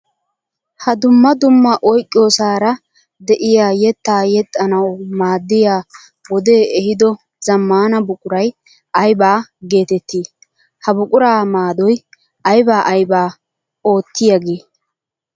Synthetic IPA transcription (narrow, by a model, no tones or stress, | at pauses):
hɐd̪ʊmːɐd̪ʊmːɐʔɔjkʼːɪjoːsaːɾɐ | d̪ɛʔɪjaːjɛt̪ːaːjɛt̪ʼːɐnɐwmaːd̪ːɪjaː | wɔd̪e̞ːɛhɪd̪ɔ | zɐmːaːnɐbʊkʼʊɾɐj | ʔɐjbaːɡe̞ːt̪ɛt̪ʰːiː | hɐbʊkʼʊɾaːmaːd̪ɔj | ʔɐjbaːʔɐjbaː | o̞ːt̪ːɪjɐɡeː